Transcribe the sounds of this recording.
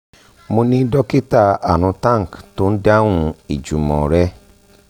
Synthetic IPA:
mo˧nĩ˦dɔ˦ki˦ta˦˧a˨ɾ̃ũ˨˧tã˦˨ŋ˨kto˦n̩˦da˦wũ˧i˨d͡ʒu˨mɔ̰̃˨ɾɛ˦

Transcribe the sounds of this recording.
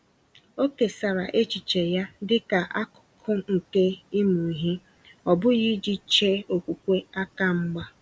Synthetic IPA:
o˦ke˨sa˨ɾa˨ʔe˦t͡ʃi˨t͡ʃe˨ja˦dɪ˦ka˨ʔa˦kʊ̥˨kʰʊ˦ŋ̩˨ke˦i˦mu˨i˨ɦi˦ | ɔ˨bʊ˦ɣi˦d͡ʒi˦t͡ʃe˦o˨kʷu˨kʷe˦a˦ka˨ŋ͡m̩˦ɡ͡ba˦

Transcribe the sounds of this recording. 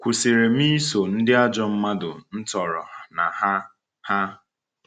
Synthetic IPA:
kʷu˨si˨ɾe˨m̩˦i˦so˨n̩˦dɪ˦a˦d͡ʒɔ˦m̩˦ma˦dʊ˨n̩˦tɔ˨ɾɔ˨na˨ha˦ | ha˦

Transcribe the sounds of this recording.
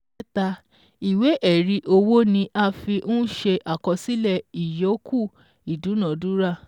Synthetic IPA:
ɛ˦ta˧ | i˨we˨˦ʔɛ˦˨ɾi˧ʔo˧wo˦nĩ˧ʔa˦fi˧ʔũ˦ʃe˧ʔa˨kɔ˧si˦lɛ˧˨i˨jo˨˦kʰu˦˨ | i˨dũ˨˦nã˨du˦ɾa˦˨

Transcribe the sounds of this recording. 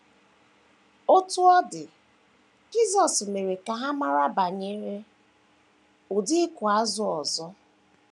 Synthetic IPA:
o˦tʊ˦ɔ˦dɪ˨ | d͡ʒi˦zɔ˨sme˨ɾe˨ka˨ɦa˦ma˦ɾa˦ba˨ɲe˦ɾe˦ | ʊ˨dɪ˦kʊ˨a˦zʊ˨ɔ˨zɔ˦

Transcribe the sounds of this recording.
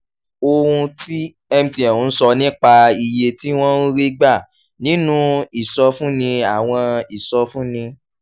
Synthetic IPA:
o˧ɾũ˧ti˦ | ɛ˧m̩˨ti˨ɛ̃˨ũ˨˧n̩˦sɔ˧nĩ˦k͡pa˧i˨je˧ti˦w̃ɔ̃˦ɾi˦ɡ͡ba˦˨ | nĩ˨˦nũ˦i˦˨sɔ˧fũ˦nĩ˧a˦˨w̃ɔ̃˧i˨sɔ˧fũ˦nĩ˧

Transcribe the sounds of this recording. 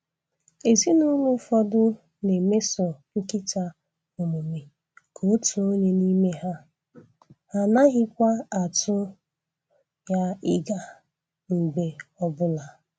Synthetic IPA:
e˨zi˦nʊ˦lʊ˦fɔ˦dʊ˦ | ne˨me˦sɔ˨ŋ̩˦kɪ˦ta˦ | ʊ˨mu˨me˨ | kʰo˨˦tu˨o˦ɲe˦ni˦me˦ɦa˦ | a˨na˦ɣɪ˦kʷa˦a˨tʊ˦ | ja˦ɪ˦ɡa˨ | ŋ͡m̩˨ɡ͡be˨ɔ˦bʊ˦la˨

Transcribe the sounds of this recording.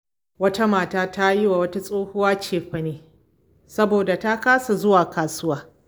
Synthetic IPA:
wɐ˦ta˦maː˨taː˦ta˦ji˦wa˨wɐ˦ta˦sʼoː˦hʊ˦waː˦t͡ʃeː˨ɸɐ˨neː˦ | sɐ˦boː˨da˨ta˦kaː˦sa˨zʊ˦waː˨kaː˨sʊ˦waː˦

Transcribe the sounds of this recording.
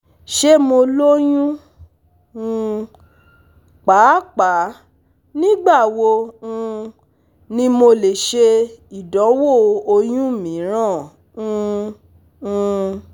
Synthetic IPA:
ʃe˦mo˧lo˦jũ˦ | ũ˧ | k͡pa˨˦k͡pa˨˦ | nĩ˦ɡ͡ba˦˨wo˧ũ˧ | nĩ˦mo˧le˨ʃe˧i˨dɔ̃˨˦wo˦˨o˧jũ˦˨mĩ˨˦ɾ̃ã˦˨ | ũ˦˧ | ũ˧

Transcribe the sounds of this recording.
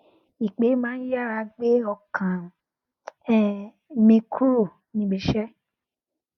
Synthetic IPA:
i˨k͡pe˨˦mãː˦n̩˦ja˦a˧ɡ͡be˦ɔ˧˨kʰã˨˦ | mẽ˧kʰu˦ɾo˦˨ | nĩ˧˨ɡ͡be˨ʃɛ˦

